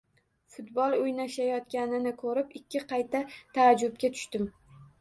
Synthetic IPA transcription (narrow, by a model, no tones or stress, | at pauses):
fʊt̪bɒlˠojnaʃajɒt̪̚ɡʲanɪnɪkʰɵɾɪpɪkʲːɪqʰɑjt̪ʰat̪ʰaːd͡ʒʊb̚kʲat̪ʰʊ̥ʃt̪ɪm